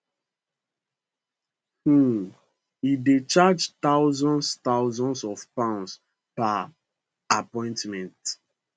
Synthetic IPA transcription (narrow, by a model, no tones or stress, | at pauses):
hu | idet͡ʃad͡ʒt̪aʊzɔ̃nst̪aʊzɔ̃nsɔvpãʊ̃ns | pa | apɔ̃ɪ̃ntmɛ̃nt